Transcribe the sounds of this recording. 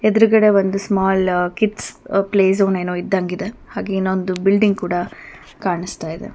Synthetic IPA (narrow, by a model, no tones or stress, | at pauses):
ed̪ɐɾuɡɐɽe̞ʋond̪usmaːlkiʈspleːs̬oːneːnoːid̪ːɐŋɡid̪e̞haːɡeinːond̪ubilɖiŋɡ̚kuːɽɐ | kaːɳist̪aːjid̪ḛ